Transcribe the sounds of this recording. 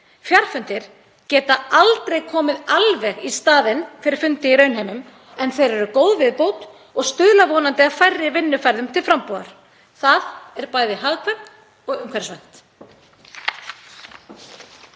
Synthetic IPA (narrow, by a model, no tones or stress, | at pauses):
fjar̥fʏnt̪ɪɾ̥ | cɛːt̪aalt̪ɾejkʰɔːmɪðalvɛɣist̪aːðɪnfɪɾɪɾ̥fʏnt̪ɪiɾœːɥnɦejmʏm | ɛnθejɾɛɾʏkoːwðvɪðpoːwt̪ | ɔɣst̪ʏðlavɔːnant̪ɪaðfajrːɪvɪnːʏfajɾðʏmt̪ʰɪlfɾampoːða̰ɾ̥ | θaðɛɾpaːjðɪɦaɣkʰvɛnt̪ | ɔɣʏmkʰvɛɾ̥svɛn̥t̪